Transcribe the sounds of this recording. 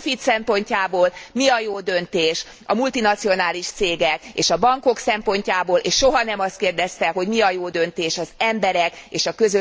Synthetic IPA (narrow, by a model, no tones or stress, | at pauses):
fit̪sɛmpo̞ɲcaːboːlmiɒjoːd̪ø̞nt̪eːʃ | ɒ̰mult̪inɒt̪sio̞naːliʃt̪seːɡɛkḛːʃɒbɒŋko̞ksɛmpo̞ɲcaːboːlʔeːʃʃo̞ɦɒnɛmɒst̪̚keːrd̪ɛst̪ɛɦo̞ɟmiɒjoːd̪ø̞nt̪eːʃɒzɛmbɛɾɛkeːʃɒkø̞zø